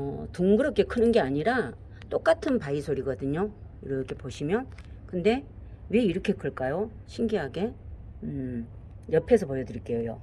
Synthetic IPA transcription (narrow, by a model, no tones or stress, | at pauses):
ʌ̰tuŋɡɯɾʌp̚kʰe̞kʰɯnɯnɡe̞aɲiɾa | t͈ok͈atʰɯnpaisʰoɾiɡʌdɯɲoiɾʌkʰe̞poɕʰimjokɯnde̞we̞iɾʌkʰe̞k͈ɯɭk͈ajoɕʰiŋɡiɦaɡe̞ | jʌpʰe̞sʰʌpojʌdɯɾik͈e̞jojo̰